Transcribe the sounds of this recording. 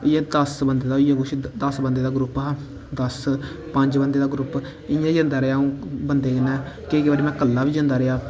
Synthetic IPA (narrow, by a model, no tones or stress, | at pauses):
jẽːd̪əsbənd̪eːd̪aːijẽːɡʊʃid̪əsbənd̪eːd̪aːɡɾʊpɦ | d̪əs | pəɲd͡ʒbənd̪eːd̪aːɡɾʊp | ɪãːd͡ʒə̃ːnd̪aːɾeaːõːbənd̪eːkɪnːɛ̃ː | kekbaːɽiːmɛ̃ːkəlːaːʋiːd͡ʒə̃nd̪aːɾɪjaː